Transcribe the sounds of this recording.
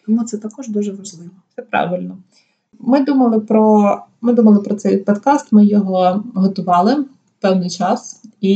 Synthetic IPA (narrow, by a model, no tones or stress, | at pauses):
t̪ɔmut̪sɛt̪ɐkɔʒd̪uʒɛʋɐʒlˠɪʋɔtsɛpɾɑ̰ʋɪlʲnɔ | mɪd̪umɐlˠɪpɾɔmɪd̪umɐlˠɪpɾɔt̪sɛjpɔd̪kɑst̪mɪjɔɦɔɦɔt̪ʊʋɑlˠɪ | pɛwnɪjt͡ʃɑsi